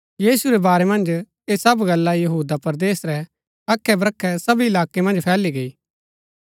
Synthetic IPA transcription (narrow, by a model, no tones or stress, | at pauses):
jiːsuɾɛbaːɾɛmɐ̃nd͡ʒ | esɐbɡɐlːajɐɦuːd̪apɐɾd̪eːsɾɛ | ɐkʰːɛbɾɐkʰːɛsɐbiɪlaːkemɐ̃nd͡ʒpʰɛːliɡɐiː